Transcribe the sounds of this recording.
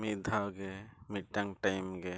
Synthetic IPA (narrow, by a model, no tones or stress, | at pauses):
mid̪ʱaɡemiʈːɐŋʈajmɡe